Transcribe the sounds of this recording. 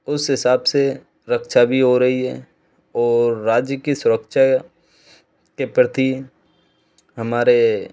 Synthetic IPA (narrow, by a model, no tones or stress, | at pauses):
ʊsɦɪsaːbse | ɾəkʃabʱiɦoɾɐɦiɦɛ̰ː | ɔːɾːaːd͡ʒjəkisʊɾəkʃa | kepɾət̪i | ɦɐmaːɾe